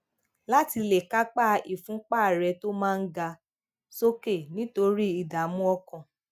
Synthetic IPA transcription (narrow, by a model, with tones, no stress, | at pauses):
la˦ti˧le˨ka˦k͡pa˦i˨fũ˨˦k͡paː˦˨ɾɛ˧to˦mãː˦˧n̩˦ɡa˧ | so˦ke˦˨nĩ˨˦to˧ɾi˦i˨da˨mũ˦ɔ˧kɔ̃˨